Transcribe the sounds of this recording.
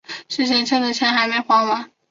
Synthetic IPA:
ʂɻ̩˥˩ɕʰi˧˥˩ŋt͡ɕʰɛ˥d̪ə˨˩t͡ɕʰjɛ˧˥nxa˧˥ɪme˧˥˩ɪxwɑ˧˥ŋma˨˥˦

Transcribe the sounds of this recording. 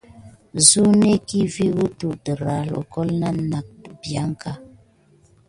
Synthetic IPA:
zu˦ne˦ki˦vi˦ɣu˦tu˨də˨ɾa˨lo̰˨kɔ˦lna˦na˨k̚bja˦ŋ˦ka˦

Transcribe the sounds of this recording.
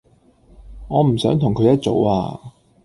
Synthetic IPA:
ŋɔː˨˧m̩˨˩sœː˨˥ŋt̪ʰʊ˨˩ŋkʰɵ˨˧jɐ˥t̚t͡so̰˨˥wa̰ː˧

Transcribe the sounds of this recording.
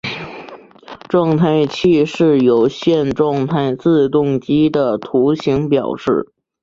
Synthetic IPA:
ʈ͡ʂwɑ˥˧ŋt̪ʰa˥˧ɪt͡ɕʰi˥˧ʂɻ̩˥˩jo˧˥ʊɕjɛ˥˧nʈ͡ʂwɑ˥˧ŋt̪ʰa˥˧ɪt͡sɹ̩˥˧t̪ʊ˥˩ŋt͡ɕi˥d̪ə˨t̪ʰu˧˥ɕi˧˥ŋpjɑ˨˩ʊʂɻ̩˥˩

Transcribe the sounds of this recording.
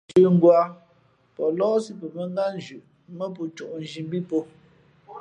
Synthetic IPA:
t͡ʃʉ˨ŋ̩˦ɡwa˨˦ | pɔ˨lɔː˦si˦pə˨mə˦ŋ˦ɡa˦n˦d͡ʒʉ˨ʔ | mə˦p̬o˨t͡ʃu˨ʔn̩˨ʒi˨m˦bi˦po˦

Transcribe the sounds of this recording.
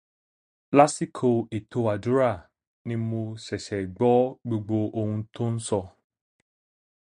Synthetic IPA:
la˦si˦kʰo˧e˨tʰo˧a˨du˦ɾa˦˨ | nĩ˧˦mo˧sɛ˨sɛ˨ɡ͡bɔ˨˦ɡ͡bo˧ɡ͡bo˧o˧hũ˧tʰo˦n̩˦sɔ˧

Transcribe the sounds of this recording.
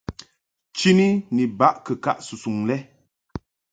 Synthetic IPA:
t͡ʃi˦ni˦ni˨ba˦ʔkə˨ka̰˦˨ʔsu˨su˨ŋlɛ˦

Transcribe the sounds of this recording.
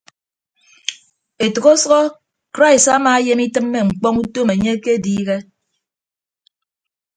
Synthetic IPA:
e˨tɔ˨ɣo˦sɔ˦ɔ˦ | kɾa˦˨i˨sa˦maː˨e˦je˦mi˦tɨ˦mːe˨ŋ͡m̩˨k͡pɔ˦ŋu˦to˦me˨ɲe˦ke˦diː˦ɣe˦

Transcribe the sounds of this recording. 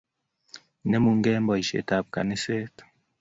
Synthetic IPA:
nɛ˦mu˨ŋ˦ɡɛ˦mbɔ˨i˨ʃḛ˨ta˨p̚ka̰˨ne˦se˦t

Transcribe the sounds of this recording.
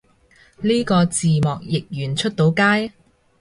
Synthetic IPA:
liː˥kɔː˧t͡siː˨mɔː˨k̚jɪ˨k̚jyː˨˩nt͡ʃʰɵ˥t̚t̪o˨˥wkaː˥j

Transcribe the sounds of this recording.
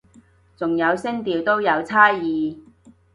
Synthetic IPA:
t͡sʊ˨ŋjɐ˨˧wsɪ˥ŋt̪iː˨˩wt̪o˥wjɐ˨˧wt͡sʰaː˥jiː˨˧

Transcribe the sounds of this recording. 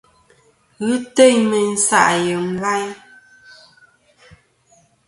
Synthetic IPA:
ɣɯ˦te˦ɲmə˨n̩˦sa̰˦ʔjə˨m̩˦ba˦j

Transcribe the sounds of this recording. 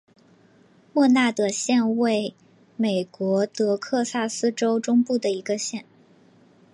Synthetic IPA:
mwɔ˥˧na˥˩t̪ɤ˨˩ɕjɛ˥˧nwe˥˩ɪ | me˨˩ɪkwɔ˧˥t̪ɤ˧˥kʰɤ˥˧sa˥˩sɹ̩˥ʈ͡ʂo˥ʊʈ͡ʂʊ˥ŋpu˥˩d̪ə˩i˧˥ɡə˧ɕjɛ˥˩n

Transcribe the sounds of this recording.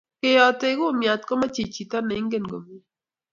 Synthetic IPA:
ke˦jɔ˨tɪ˦ɡo˦˨mja˨t̪̚kɔ˦ma˦t͡ʃi˨t͡ʃi˨t̪a˦nɛ˨˦ŋɡe˦˨nɡo̰˨mi˨

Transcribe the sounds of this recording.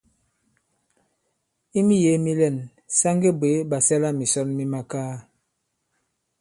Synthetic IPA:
i˦mi˦je˨˦mi˦lɛ˦˨n | sa˦ŋɡe˦be˨˦ba˨sɛ˦la˦mi˨sɔ˦nmi˦ma˦kaː˦

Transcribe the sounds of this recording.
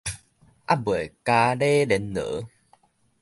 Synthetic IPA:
ʔa̰˦˩bu˨˩ə˨jkaː˨˧ɗe˧ɗe˨˦nnɨ̰˧˥˦

